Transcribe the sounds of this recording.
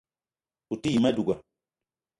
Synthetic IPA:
u˨ti˦ji˨ma˦du˨ɡa˨

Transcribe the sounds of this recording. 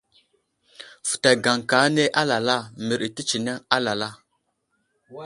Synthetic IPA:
fu̥˨ta˨ɡa˨ŋka˨˦ne˦ʔa˦la˨la˦mi˨ɾi˨ti˦t͡ʃi˨ne˦ŋa˦la˨la˦

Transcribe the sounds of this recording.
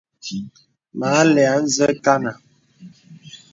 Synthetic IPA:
ma˨˦lɛ˨a˨n̩˦zə˦ka˦na˨

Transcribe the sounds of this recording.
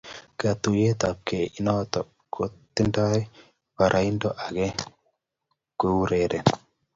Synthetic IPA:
ka˨t̪u˨je˦t̪a˨p̚ke˨i˨nɔt̪ɔ˨ | ko˨t̪ːɪ˦nda˦ | pa˨ɾʔa˨i˦ndɔ˦ʔa˨ɡe˦ | ke˦u˦ɾeɾe˨

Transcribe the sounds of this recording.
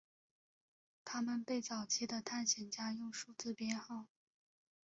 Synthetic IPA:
t̪ʰa˥mə˨npe˥˩ɪt͡sɑ˨˩ʊt͡ɕʰi˥d̪ə˨t̪ʰa˥˩nɕjɛ˨˩nt͡ɕja˥jʊ˥˧ŋʂu˥˩t͡sɹ̩˥˩pjɛ˥nxɑ˥˩ʊ

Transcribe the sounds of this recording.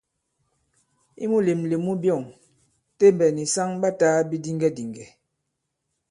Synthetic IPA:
ḭ˦mu˦le˨mle˨mu˦bjɔ˦˨ŋ | te˦˨mbɛ˨ni˨sa˦ŋba˦taː˨˦bi˦di˦ŋɡɛ˦di˨ŋɡɛ˨

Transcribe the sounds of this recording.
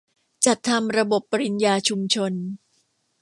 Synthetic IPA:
t͡ɕa˨˩t̪ʰːa˧mɾa˧bo˨˩pːa˧ɾi˧njaː˧t͡ɕʰu˧mt͡ɕʰo˧n

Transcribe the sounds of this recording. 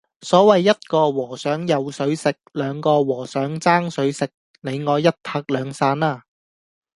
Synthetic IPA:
sɔː˨˥wɐ˨jːɐ˥t̚kɔː˧wɔː˨˩sœː˨˥ŋjɐ˨wsɵ˨˥ɥsɪ˨k̚lœː˨˧ŋkɔː˧wɔː˨˩sœː˨˥ŋt͡saː˥ŋsɵ˨˥ɥsɪ˨k̚ | ne˨˧jŋɔː˨˧jɐ˥t̚pʰaː˧k̚lœː˨˧ŋsaː˧naː˧˩

